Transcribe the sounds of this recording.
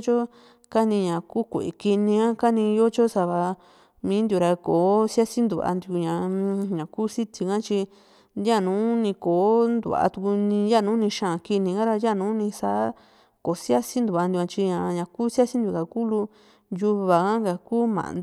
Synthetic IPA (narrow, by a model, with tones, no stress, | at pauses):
t͡ʃo˦ | ka˦nĩ˧ɲã˨ku˦kʷḛ˨ʔe˨ki˧nĩ˧ã˦ka˦nĩ˧jo˦t͡ʃo˦sa˧βa˧ | mĩː˨˦nd̪ju˨˧ɾa˧ko˨˦sja˦si˦nd̪u˨βa̰˧nd̪u˧ɲã˨˦ɲã˨kuː˦si˦t̪i˧kã˦t͡ʃi˧ | ja˦˨nũː˨˦nĩ˧ko˨˦nd̪ṵ˧˨βa˨a̰˧t̪u˧ku˧nĩ˧ja˦˨nũː˦nĩ˧ʃã˨ki˧nĩ˧ɡã˦ɾa˧ja˦˨nũː˦nĩ˧sa˦ | ko˨sja˦si˦nd̪u˨βa˧nd̪jã˧t͡ʃi˧ɲã˨ɲã˨ku˦sa˦si˦nd̪ju˧˨ka˨ku˦lu˧ | ju˧βa˨kã˦ŋɡa˨ku˦mã̰˨n